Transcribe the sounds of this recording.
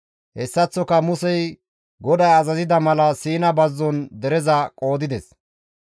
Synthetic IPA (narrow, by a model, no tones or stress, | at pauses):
hɛsːɐt͡sːɔkɐmʊsɛj | ɡɔd̪ɐjɐzɐzɪd̪ɐmɐlɐsiːnɐbɐzːɔnd̪ɛɾɛzɐkʼo̞ːd̪ɪd̪ɛs